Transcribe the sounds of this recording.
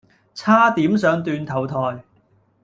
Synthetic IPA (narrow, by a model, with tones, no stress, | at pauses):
t͡sʰaː˥t̪iː˨˥msœː˨˧ŋt̪yː˧nt̪ʰɐ˨˩wt̪ʰɔː˨˩j